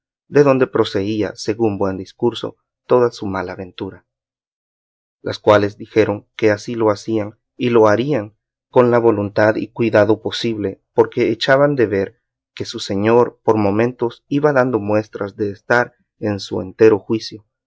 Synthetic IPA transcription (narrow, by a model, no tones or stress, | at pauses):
d̪e̞ðo̞nd̪e̞pɾo̞se̞ia̰se̞ɣumbwe̞nd̪iskuɾso̞̰ | t̪o̞ðasumalaːβe̞nt̪uɾa | lʔa̰skwale̞zd̪ixe̞ɾo̞ŋke̞asilo̞asiaŋ | ilo̞aɾiaŋ | ko̞nlaβo̞lunt̪aðḭkwiðaðo̞po̞siβle̞poɾke̞ːt͡ʃaβand̪e̞βe̞ɾ | ke̞suse̞ɲo̞ɾpo̞ɾmõ̞mẽnt̪o̞siβaðand̪o̞mwe̞st̪ɾazðe̞ːst̪aɾ | ensuḛnt̪e̞ɾoxwisjo̞